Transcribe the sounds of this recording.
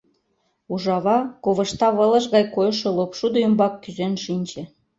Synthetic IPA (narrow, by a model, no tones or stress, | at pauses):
uʒɑβɑkoβə̆ʃt̪ɑβə̆lə̆ʃɣɑjkojʃolopʃud̪oymbɑkːyzenʃinʲt͡ɕĕ